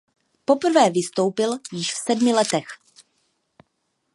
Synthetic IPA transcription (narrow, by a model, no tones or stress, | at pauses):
po̞pr̩vɛːvɪst̪o̞wpɪljɪʃfsɛdmɪlɛt̪ɛx